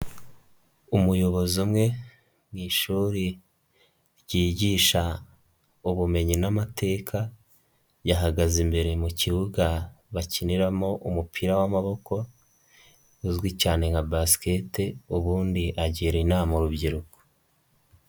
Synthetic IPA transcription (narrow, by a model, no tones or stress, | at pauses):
umujo̞βo̞zumŋe̞ | mŋiːʃuːɾi | ɾɟiːɟiːʃa | uβume̞ɲinamatʰe̞kʰa | jaɦaɡazimbe̞ɾe̞muciβuɡaβaciniɾamo̞ʔumupʰiɾawamaβo̞ko̞ | uzɡwicaːne̞ŋɡabaske̞teuβuːndiʔaɟiːɾeinamoɾubɟiɾuko̥